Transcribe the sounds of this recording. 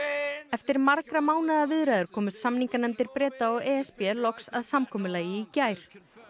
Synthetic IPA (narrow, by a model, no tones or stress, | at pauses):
ɛft̪ɪɾmaɾkɾamaːwnaðavɪðɾaðʏɾ̥kʰɔːmʏst̪samniŋkanɛmt̪ɪɾpɾɛːt̪aɔɣɛɛspjɛlɔksa̰ðsamkʰɔːmʏlaːjɪicaːjɾ̥